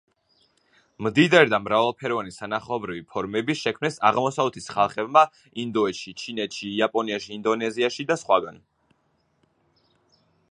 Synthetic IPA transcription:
md̪id̪aɾid̪amɾavalˠpʰɛɾɔvanisanaχaɔbɾivipʰɔɾmɛbiʃɛkʰmnɛsaʁmɔsaɛt̪ʰisχalˠχɛbma | ind̪ɔɛt̪ʃit͡ʃʰinɛt̪ʃiːapʼɔniaʃiːnd̪ɔnɛziaʃid̪asχwaɡan

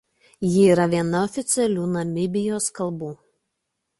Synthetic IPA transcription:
jɪiːɾɐʋʲiɛnɐɔfʲɪt̪sʲɛlʲuːnɐmʲɪbʲɪjoːskɐlˠbuː

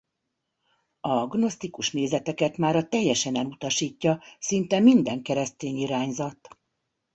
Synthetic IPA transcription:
ɒɡno̞st̪ikuʃneːzɛt̪ɛkɛt̪maːɾɒt̪ɛjːɛʃɛnɛlut̪ɒʃiːcːɒsint̪ɛmind̪ɛŋkɛɾɛst̪eːɲiɾaːɲzɒt̪

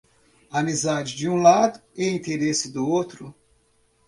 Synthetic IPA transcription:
amizad͡ʒɪd͡ʒɪũlad̪ʊɛĩt̪eɾesɪd̪ʊowt̪ɾʊ

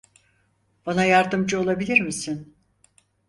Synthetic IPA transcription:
b̥anajaɾd̪ɯmd͡ʒɯo̞lˠabilʲiɾmisin

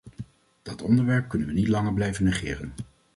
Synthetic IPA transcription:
d̥ɑtɔndəɹʋɛɹp̚kɵnənʋənitlɑŋəɹblɛjvənəχɪ̰ːrə̰n

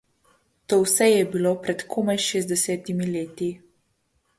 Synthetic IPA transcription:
t̪oːwsɛjɛbiloːpɾɛt̪kʰoːmajʃeːzd̪ɛsɛːt̪imileːt̪i

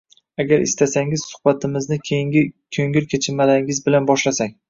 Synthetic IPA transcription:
aɡʲaɾʔɪ̰st̪asaŋɪz̥sʊ̥hbat̪ʰɪmɪznɪkʲʰejɪŋʲɪkʲʰɵŋɪlkʲʰet͡ʃʰɪmalaɾɪŋʲɪzbɪlanbɒʃlasakʲ

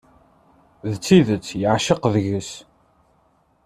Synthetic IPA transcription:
ðt͡sːiðət͡sːjəʕʃəqðʝəs

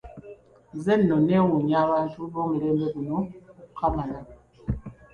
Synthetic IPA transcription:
zɛnːɔnɛwuɲaβantubɔmilɛmbɛbunɔkʰamala

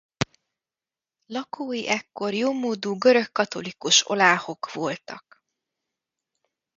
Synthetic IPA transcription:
lɒkʰoːjiʔɛkːo̞rjoːmoːd̪uːɡøɾøkːɒt̪o̞likuʃo̞̰laːho̞kʋo̞lt̪ɒk

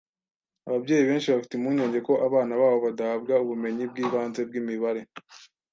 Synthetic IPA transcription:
aβabɟe̞ːjiβe̞ːnʃiβafi̥timuɲo̞ːɲɟe̞ko̞ʔaβaːnaβaːβo̞βadahab̚ɡauβume̞ɲib̚ɡiːβaːnze̞b̚ɡiːmiβaɾe̞

